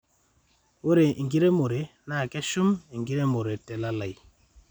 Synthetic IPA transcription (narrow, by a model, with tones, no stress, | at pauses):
wo˦ɾe˨ʔi˨ŋɡi˦ɾe˦mo˨ɾe˨na˦˨kɛ˦ʃu˦mi˨ŋɡi˦ɾe˦mo˨ɾe˨tɛ˨la˦la˨j